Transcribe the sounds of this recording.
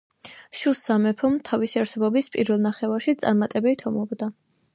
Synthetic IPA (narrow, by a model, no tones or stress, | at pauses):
ʃusamɛpʰɔmt̪ʰavisiaɾsɛbɔbispʼiɾvɛlˠnaχɛvaɾʃit̪sʼa̰ɾmat̪ʼɛbɛlt̪ʰɔmɔbd̪a